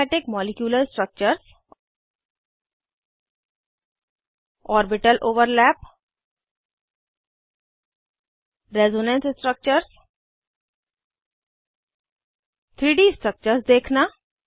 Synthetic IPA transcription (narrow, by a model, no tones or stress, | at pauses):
ʈɪkmɔlikjuːləɾsʈɾək̚t͡ɕəɾs | ɔːɾbiʈəlʔoːʋəɾlæp | ɾezonẽnssʈɾək̚t͡ɕəɾs | t̪ʰɾiːɖisʈɾək̚t͡ʃəɾsd̪ekʰna